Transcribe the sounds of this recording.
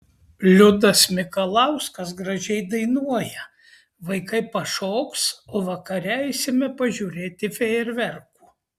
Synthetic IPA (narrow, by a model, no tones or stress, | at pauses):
lʲʊd̪ɐsmʲɪkɐlˠɐʊskɐs̬ɡɾɐʒʲɛɪd̪ɐɪnuɔjɛ | ʋɐɪkɐɪpɐʃoːksoːʋɐkɐɾʲɛɛɪsʲɪmʲɛpɐʒʲuːɾʲeːt̪ʲɪfʲɛɪɾʲʋʲɛɾkuː